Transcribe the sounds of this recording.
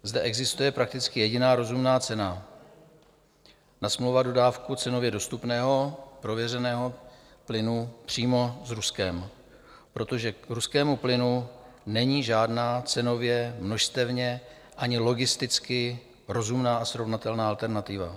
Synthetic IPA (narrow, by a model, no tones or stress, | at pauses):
zdɛʔɛɡzɪst̪ujɛpɾak̚t̪ɪt͡skɪjɛɟɪnaːɾo̞zumnaːt͡sɛna | nasmlowvado̞daːfkut͡sɛno̞vjɛdo̞st̪upnɛːɦo̞pɾo̞vjɛr̝ɛnɛːɦo̞plɪnupr̝̥iːmo̞zɾuskɛm | pɾo̞t̪o̞ʒɛɾuskɛːmuplɪnu | nɛɲiːʒaːdnaːt͡sɛno̞vjɛmno̞ʃst̪ɛvɲɛ | ʔaɲɪlo̞ɡɪst̪ɪt͡skɪ | ɾo̞zumnaːʔasɾo̞vnat̪ɛlnaːʔalt̪ɛɾnat̪ɪva̰